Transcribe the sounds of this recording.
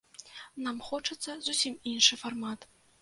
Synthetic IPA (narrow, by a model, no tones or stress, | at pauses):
namxɔt͡ʂɨt̪sːɐzusʲiminʂɨfarmat̪